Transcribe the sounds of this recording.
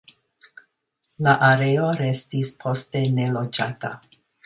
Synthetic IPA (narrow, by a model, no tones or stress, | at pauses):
laʔaɾeoɾe̞stispʰo̞ste̞ne̞lo̞d͡ʒata̰